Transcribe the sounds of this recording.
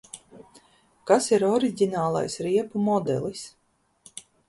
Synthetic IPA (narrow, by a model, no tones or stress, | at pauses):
kasiɾɔɾiɟʲinaːlˠa̰jsɾiɛpumɔd̪ɛ̰lˠis